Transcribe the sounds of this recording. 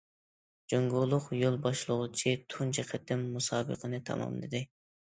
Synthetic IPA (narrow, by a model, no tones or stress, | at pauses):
d͡ʒoŋɡolˠʊqjolˠbɑʃlˠəʁʊt͡ʃʰit̪ʰunt͡ʃʰɛqʰɛt̪ʰːɪmːusɑːbə̰qʰənɨt̪ʰɑ̰mɑ̰mlˠɨ̰d̪ɪ